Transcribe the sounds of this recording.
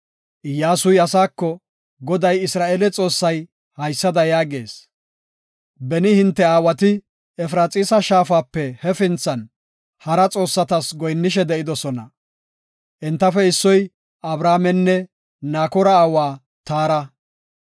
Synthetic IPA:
jaːsʊjɐsaːkːɔ | ɡɔd̪ɐjɪsɾaːʔeːlɛt͡sʼo̞ːsːɐj | hɐjsːɐd̪ɐjaːɡe̞ːs | bɛnɪhɪnt̪ːɛaːwɐt̪ɪ | ɛfɾaːt͡sʼiːsɐʃaːfaːpːɛhɛfɪnt͡sːɐn | hɐɾɐt͡sʼo̞ːsːɐt̪ɐsɡɔjnːɪʃ̬ɛd̪ɛʔɪd̪ɔsɔnɐ | ʔɛnt̪ːɐfɛɪsːɔj | ɐbɾaːmɛnːɛ | naːkɔɾɐːwaː | t̪aːɾɐ

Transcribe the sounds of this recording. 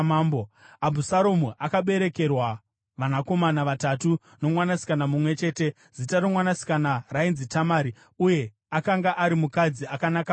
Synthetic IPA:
mamboabʱusaɾomuʔakaɓe̞ɾe̞ke̞rwa | ʋanako̞manaʋatatu | no̞mwanasi̥kanamumwe̞t͡ʃe̞ːte̞ | z̥itaromwanasi̥kanarainzitamaːɾi | uje̞ | akaŋɡaʔaɾimukad͡ziakanaka

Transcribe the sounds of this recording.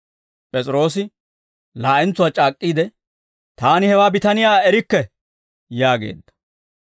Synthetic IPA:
pʼɛt͡sʼɾo̞ːs̬ɪ | laːʔɪnt͡sːʊwaːt͡ʃʼaːkʼːiːd̪ɛ | t̪aːnɪhɛwaːbɪt̪ɐnɪjaːɛɾɪkːɛ | jaːɡe̞̰ːd̪ːɐ̥

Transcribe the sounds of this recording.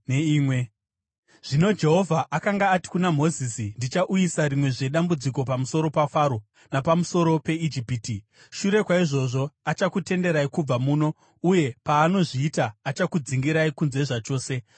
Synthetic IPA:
neiːmwe | ʐ̥ino̞d͡ʒe̞ɦo̞vʱaʔakaŋɡaːti̥kunam̤o̞zisindit͡ʃaʔujisaɾimwe̞ʐe̞ɗambud͡ziko̞pamuso̞ɾo̞pafaɾo̞ | napamuso̞ɾo̞pe̞id͡ʒipiːti | ʃuɾe̞kwaiʐo̞ʐo̞at͡ʃakute̞nde̞ɾaikub͡vamuːno̞ | uje̞paːno̞ʐiːtaːt͡ʃakud͡ziŋɡiɾaikunze̞ʐat͡ʃo̞ːse̞

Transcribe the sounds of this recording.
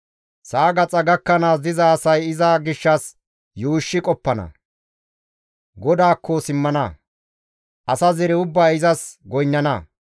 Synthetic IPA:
saːɡɐt͡sʼɐɡɐkːɐnaːs̬d̪ɪzɐːsɐjɪzaɡɪʃːɐs | juːʃːɪkʼɔpːɐnɐ̰ | ɡɔd̪aːkʰːɔsɪmːɐnɐ̰ | ʔɐsɐzɛɾɛʊbːaːɪzɐsɡɔjnːɐnɐ̰

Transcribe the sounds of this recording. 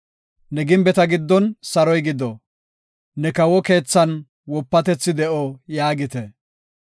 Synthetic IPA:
nɛɡɪmbɛt̪ɐɡɪd̪ːɔnsɐɾɔjɡɪd̪ɔ | nɛkɐwɔke̞ːt͡sːɐn | wɔpːɐt̪ɛt͡sːɪd̪ɛʔɔjaːɡɪt̪ɛ

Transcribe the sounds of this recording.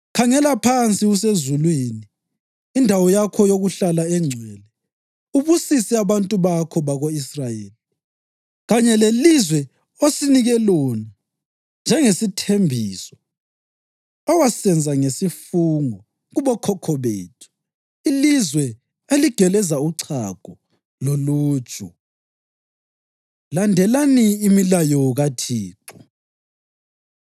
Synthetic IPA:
kʰaŋɛlapʰant͡sʼiɣus̬ezulwiniː | ndʱawɔjakʰɔjoɣuɬalaɛŋ͡ǀʱɛːlɛ | uβusisɛaβantʼuβakʰɔβaɣoisrajḛːli | ɣaɲɛlelizwɛ | osiniɣɛlɔːna | nd͡ʒʱɛŋesitʰembʱiːsɔ̥ | ɔwasɛnd͡zʱaŋesifuŋɔ | ɣuβɔkʰɔkʰɔβeːtʰu̥ | ilizwɛ | eliɡ̥ʱɛlɛzauǀʰakɔ | loluːd̥ʒ̥ʼʱu | landʱɛlaniːmilajɔɣatʰiːǃu̥

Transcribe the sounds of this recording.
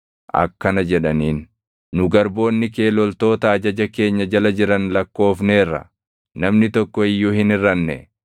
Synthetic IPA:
ʔɐ̰kːɐnɐd͡ʒɛᶑɐniːnː | ʊɡɐɾbo̞ːnːɪke̞ːlɔlt̪o̞ːt̪ɐɐd͡ʒɐd͡ʒɐke̞ːɲːɐd͡ʒɐlɐd͡ʒɪɾɐnlɐkːo̞ːfneːrːɐ̰ | nɐmnɪt̪ɔkːɔɪjːuːhɪnɪrːɐnːɛ̰

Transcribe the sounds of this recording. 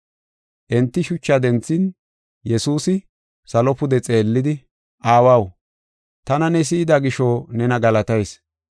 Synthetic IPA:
ʔɛnt̪ːɪʃʊt͡ʃːɐd̪ɛnt͡sːɪn | jɛsuːsɪ | sɐlɔpʊd̪ɛt͡sʼe̞ːlːɪd̪ɪ | ʔaːwɐw | t̪ɐnɐnɛs̬ɪːd̪aɡɪʃonɛnɐɡɐlɐt̪ɐjs

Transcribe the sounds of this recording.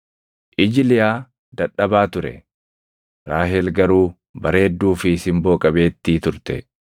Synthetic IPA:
ʔɪd͡ʒɪlɪjaː | d̪ɐᶑɐbaːt̪ʊɾɛ̰ | ɾaːɦɛːlɡɐɾuː | bɐɾe̞ːd̪ːuːfɪsɪmbo̞ːkʼɐbe̞ːt̪ːiːt̪ʊɾt̪ɛ

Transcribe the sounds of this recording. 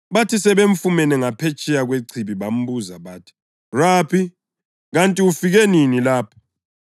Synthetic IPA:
βatʰisɛβeɱfumɛnɛŋapʰɛt͡ʃʰʼɛjaɣweǀʰiβiβam̩buzaβaːtʰi̥ | raːpʰi | ɣantʼiufiɣɛninilaːpʰḁ

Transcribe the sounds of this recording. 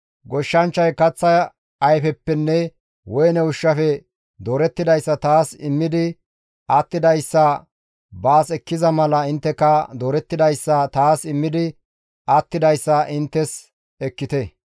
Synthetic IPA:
ɡɔʃːɐnt͡ʃːɐjkɐt͡sːɐ | ɐjfɛpːɛnːɛ | wɔjnɛwʊʃːɐfɛ | d̪oːɾɛt̪ːɪd̪ɐjsːɐt̪aːsɪmːɪd̪ɪ | at̪ːɪd̪ɐjsːɐ | baːsɛkːɪzɐmɐlɐɪnt̪ːɛkɐd̪oːɾɛt̪ːɪd̪ɐjsːɐt̪aːsɪmːɪd̪ɪ | ɐt̪ːɪd̪ɐjsːɐʔɪnt̪ːɛs | ɛkːɪt̪ɛ

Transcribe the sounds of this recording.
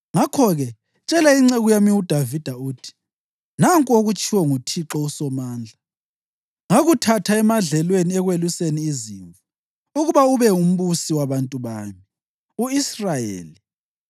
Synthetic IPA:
ŋakʰɔɣɛ | t͡ʃʼɛlaiŋ͡ǀɛɣujamiud̥ʱavid̥ʱauːtʰi̥ | naŋkʼoɣut͡ʃʰʼiwɔŋutʰiǁɔusɔmaːnd͡ɮʱa | ŋaɣutʰatʰaɛmaɮɛlweniɛɣweluseniːziːɱvu | uɣuβauβɛum̩βusiwaβantʼuβa̰ːmi | uisrajḛːli

